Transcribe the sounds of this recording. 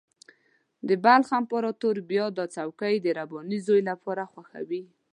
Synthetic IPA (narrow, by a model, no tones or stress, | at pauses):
d̪əbalxampɔɾɔt̪oɾbjɑd̪ɑt͡sawkajd̪əɾabɔnizojlapʰɑɾaxwaxa̰wi